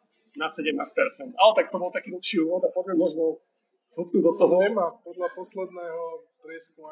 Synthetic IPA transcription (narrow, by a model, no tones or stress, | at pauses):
nat̪sɛɟɛmnaːsc̚pɛɾt͡sɛnt̪alɛt̪ak̚t̪ɔbɔlˠt̪akiːl̩pʃiuːʋɔd̪apɔvɛmd̪ɔzbɔl | xut̪p̪nid̪ɔt̪ɔɦɔɛmapɔd̪lapɔslɛd̪nɛːɦɔpɾɪɛskuma